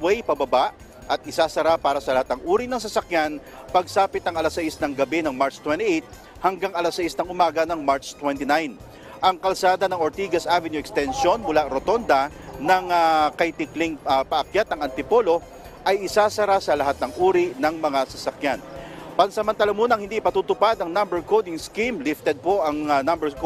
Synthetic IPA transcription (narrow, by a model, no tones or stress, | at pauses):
wɛjpɐbɐbaʔ | ʔɐt̪̚ʔɪsaːsɐɾapaːɾɐsɐlɐhat̪nɐŋʔuːɾinɐŋs̬ɐsɐkjan | pɐɡsaːpɪt̪ɐŋɐlasɐjɪsnɐŋɡɐbɛnɐŋmaɹt͡ʃt̪wɛnt̪iʔejt̪̚ | hɐŋɡaŋɐlasɐjisnɐŋʊmaːɡɐnɐŋmaɹt͡ʃt̪wɛnt̪ɪnajn | ʔɐŋkɐlsaːd̪ɐnɐŋoɾt̪iːɡɐsʔavɛnjuɛkst̪ɛnʃo̞nmʊlaɾot̪o̞nd̪ɐ | nɐŋakɐjt̪ɪklɪŋpɐʔɐkjat̪̚nɐŋɐnt̪ɪpo̞lo̞ | ʔɐjɪsaːsɐɾasɐlɐɦat̪̚nɐŋʔuːɾinɐŋmɐŋasɐsɐkjanpɐŋsɐmɐnt̪ɐlɐmuːnɐŋhɪnd̪iɪpɐt̪uːt̪ʊpad̪ɐŋnɐmbɛɹkowd̪ɪŋskimlɪft̪ɛd̪̚po̞ʔɐŋnɐmbɛk